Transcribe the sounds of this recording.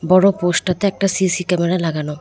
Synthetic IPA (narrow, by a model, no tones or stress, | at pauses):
bɔɽoposʈat̪eɛk̚ʈasisikɛmeɾalaɡano